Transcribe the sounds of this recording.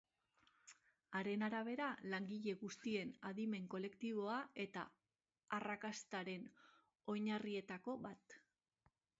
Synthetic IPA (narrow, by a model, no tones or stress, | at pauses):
aɾe̞naɾaβ̞e̞ɾalaŋɡiʎe̞ɣust̪ie̞naðime̞ŋko̞le̞kt̪iβ̞o̞ae̞t̪a̰ː | rakast̪aɾe̞n | o̞jɲarie̞t̪ako̞βat̪